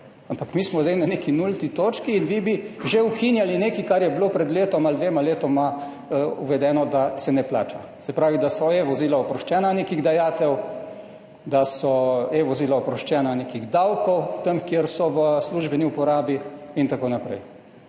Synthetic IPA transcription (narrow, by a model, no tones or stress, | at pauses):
ampakmiːsmɔzd̪ɛjnanekinult̪it̪oːt͡ʃkiːnʋibiʒeukʰinjalineːkikaɾjɛblopɾɛd̪leːt̪ɔmald̪ʋeːmaleːt̪ɔma | ṵʋɛd̪ɛːnɔd̪asɛnɛpla̰ːt͡ʃa̰ | sɛpɾaːʋid̪asɔeʋɔziːlaɔpɾɔʃt͡ʃɛːnaneːkiɣd̪ajaːt̪ɛw | d̪asɔeʋɔzilaɔpɾɔʃt͡ʃɛːnanekiɣd̪awkɔwt̪əmkjeɾsɔʋəsluʒbɛniupɔɾaːbiint̪akoːnapɾɛ̰j